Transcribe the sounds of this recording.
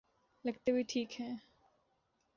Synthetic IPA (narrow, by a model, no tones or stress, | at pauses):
lɐɡt̪ebʱiʈʰiːkɦɛ̃ː